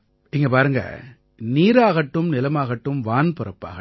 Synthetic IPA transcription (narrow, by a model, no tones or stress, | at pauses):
ɪːŋɡɐpaːɾɯŋɡɐ̰ | niːɾaːɣɐʈːɯmnɪlɐmaːɣɐʈːɯmʋaːnpɔɾɐpːa̰ːɣɐ